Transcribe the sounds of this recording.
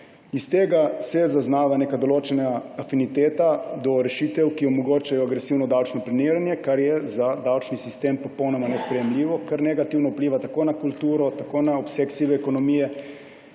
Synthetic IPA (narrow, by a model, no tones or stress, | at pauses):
ist̪eːɡasɛzaznaːʋaneːkad̪oloːt͡ʃɛnaːfinit̪eːt̪ad̪ɔɾɛʃit̪ɛwkiomɔɡoːt͡ʃajɔaɡɾesiːwnɔd̪awt͡ʃnɔplɛniːɾanjɛkaɾjɛzad̪awt͡ʃnisist̪eːmpɔpownɔmanɛspɾɛjɛmliːʋɔkaɾneɡat̪iːwnɔupliːʋat̪akoːnakult̪uːɾɔt̪akoːnaɔpseksiʋɛːkonɔmiːjɛ